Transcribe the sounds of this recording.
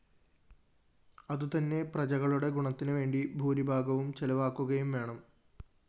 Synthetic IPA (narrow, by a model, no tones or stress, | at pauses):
ɐðut̪ɐnːe̞prɐd͡ʑɐɣɐɭuɽe̞ɡuɳɐt̪ːinɨʋe̞ːɳɖibʱuːɾibʱaːɡɐʋumt͡ɕelɐʋaːkːuɣɐjumʋe̞ːɳɐm